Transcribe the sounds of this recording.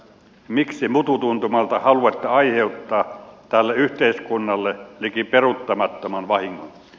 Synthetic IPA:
miksimut̪ut̪unt̪umɑlt̪ɑhɑluɑt̪ːeɑiheut̪ːɑːt̪ælːeyht̪eiskunːɑlːelikiperut̪ːɑmɑt̪ːomɑnʋɑhiŋːo̰n

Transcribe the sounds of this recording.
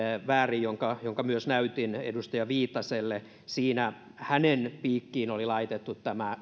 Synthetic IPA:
ʋæːrijjoŋkɑjoŋkɑmyøsnæyt̪inḛdust̪ɑjɑʋiːt̪ːɑselːe | siːnæ | hænenpiːkːiːnolilɑit̪et̪ːut̪tæmæ

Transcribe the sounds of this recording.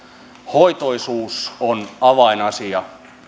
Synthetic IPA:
hoit̪oisuːsonɑʋɑinɑsiɑ

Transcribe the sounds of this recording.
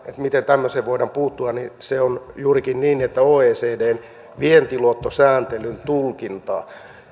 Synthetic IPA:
et̪mit̪ent̪æmːøseːʋʋoidɑmpuːt̪ːuɑniseonjuːrikinniːnːiet̪ːæoːeːseːdeːn | ʋient̪iluot̪ːosæːnt̪elynt̪ulkint̪ɑ̰ː

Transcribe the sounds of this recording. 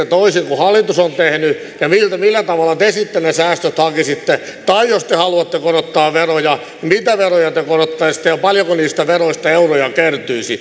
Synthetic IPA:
et̪oisiŋkuhɑlːit̪usont̪ehny | jɑmilt̪æmilːæt̪ɑʋɑlːˑɑt̪esit̪ːenesæːst̪øt̪hɑkisit̪ːet̪ɑijjost̪ehɑluɑt̪ːekoɾot̪ːɑːʋʋerojɑ | mit̪æʋerojɑt̪ekorot̪ːɑist̪ːejɑpɑljokoniːst̪æʋeroist̪ɑeurojɑkert̪yisi

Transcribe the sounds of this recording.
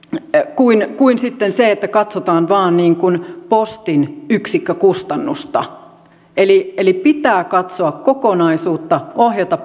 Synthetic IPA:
kuinkuinsit̪ːenseet̪ːækɑt̪sot̪ɑːnʋɑːnniːŋkunpost̪inyksikːøkust̪ɑnːust̪ɑ̰ | elielipit̪æːkɑt̪soɑkkokonɑisuːt̪ːɑohjɑt̪ɑ

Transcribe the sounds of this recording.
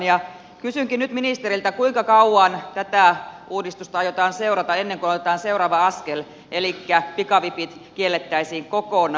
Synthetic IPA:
njɑ | kysyŋkinnyt̪minist̪eɾilt̪ækuiŋkɑkɑuwɑnt̪æt̪æˑuːdist̪ust̪ɑɑjot̪ɑːnseuɾɑt̪ɑenːeŋkunot̪et̪ɑːnseuɾɑːʋɑɑskel | elikːæpikɑʋipit̪kielːet̪ːæisiːŋkokon

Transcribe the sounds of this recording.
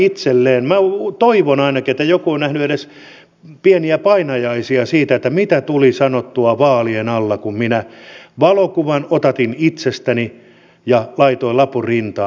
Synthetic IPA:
it̪selːeːnmæt̪oiʋonɑinɑkiet̪ːæjokuonnæhnyedes | pieniæpɑinɑjɑisiɑsiːt̪æet̪ːæmit̪æt̪ulisɑnot̪ːuɑʋɑːlienɑlːɑkumminæʋɑlokuʋɑnot̪ɑt̪init̪sest̪æni | jɑlɑit̪oilɑpurint̪ɑː

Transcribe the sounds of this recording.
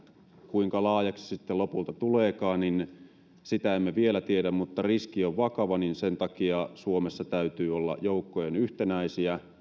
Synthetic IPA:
kuiŋkɑlɑːjɑksi̥sit̪ːelopult̪ɑt̪uleːkɑːnnin | sit̪æemːæʋielæt̪iedæmmut̪ːɑriskioʋʋɑkɑʋɑninsent̪ɑkiɑsuomesːɑt̪æyt̪yːolːɑ̰joukːojenyht̪enæisiæ

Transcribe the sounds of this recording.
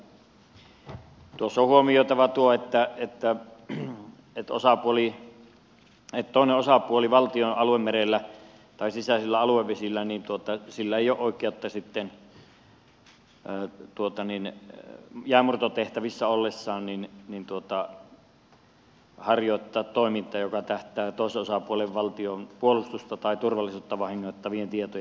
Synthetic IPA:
t̪uosːohuomijoˑet̪ɑʋɑt̪uoet̪ːæet̪ːæ | et̪o̰sɑpuoli | et̪t̪oˑeneʔʔosɑpuoliʋɑlt̪ionɑluemmerelːæ | t̪ɑˑesisæˑselːæɑluwˑeʋʋesilːænint̪uot̪ɑsilːæeˑijoˑʔoˑekːˑeˑot̪ːɑsit̪ːen | t̪uot̪ɑnin | jæːmurt̪ot̪eht̪æʋisːæolːesːɑːnninnint̪uot̪ɑ | hɑrjoˑet̪ːɑːt̪toˑemint̪ˑɑːjokɑt̪æht̪ˑæːt̪oˑeseʔʔosɑpuoleʋʋɑlt̪ionpuolust̪ust̪ɑt̪ɑˑit̪urʋɑlːˑisuːt̪ːɑʋɑhiŋːoˑet̪ːɑʋient̪iet̪oj

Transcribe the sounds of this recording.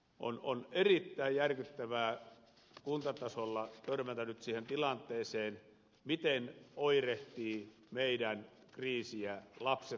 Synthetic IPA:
ʔo̰no̰nerit̪ːæijjærkyt̪ːæʋæː | kunt̪ɑt̪ɑsolːɑt̪ørmænt̪ænyt̪siːhent̪ilɑnt̪ˑeːseːn | mit̪enoireht̪iː | meidæn | kriːsiælɑpse

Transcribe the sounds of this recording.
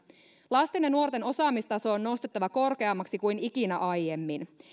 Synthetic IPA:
lɑst̪inenːuort̪e̞no̞sɑːmist̪ɑso̞ːnːo̞st̪e̞t̪ːɑʋɑko̞rke̞ɑmːɑksikujnikinæʔɑjje̞mːin

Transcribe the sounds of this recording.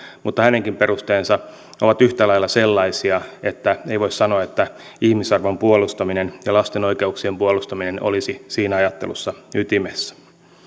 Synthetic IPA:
mut̪ːɑhæneŋkimpe̞rust̪eːnsɑ | oʋɑt̪yht̪ælɑjlːɑselːɑisiɑet̪ːæeiʋo̞issɑnoɑet̪ːæ | ihmisɑrʋompuolust̪ɑminenjɑlɑst̪eno̞ikeuksiempuolust̪ɑmineno̰lisisiːnɑjɑt̪ːe̞̰lṵsːɑyt̪imesːæ̥

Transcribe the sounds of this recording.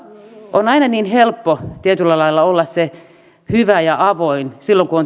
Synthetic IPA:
onɑinɑniːnhelpːot̪iet̪ylːɑlɑilːɑolːɑsse | hyʋæjɑʔɑʋoinsilːoŋkuon

